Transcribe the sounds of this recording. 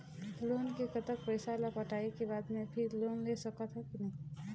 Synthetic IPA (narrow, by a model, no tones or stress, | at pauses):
loːnkekət̪ək̚pəɪsalapəʈaːekebaːd̪mẽpʰɪɾloːnlesəkət̪ɦɛkinɐɦĩ